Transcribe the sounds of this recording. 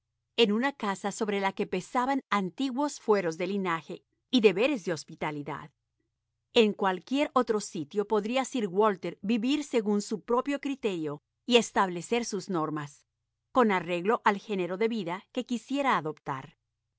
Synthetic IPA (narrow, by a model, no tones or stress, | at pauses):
e̞nunakasaso̞βɾe̞lake̞pe̞saβanant̪iɣwo̞sfwe̞ɾo̞zðe̞linaxe̞ | iðe̞βe̞ɾe̞zðeo̞spit̪aliða̰ð | e̞ŋkwalkje̞ɾo̞t̪ɾo̞sit̪jo̞po̞ðɾiasiɾɣwo̞lt̪eɾbiβiɾse̞ɣunsupɾo̞pjo̞kɾit̪e̞ɾjo̞ | ie̞st̪aβle̞se̞ɾsuzno̞ɾmas | ko̞nare̞ɣlo̞ʔalxe̞ne̞ɾo̞ðe̞βiðake̞kisje̞ɾaːðo̞pt̪a̰ɾ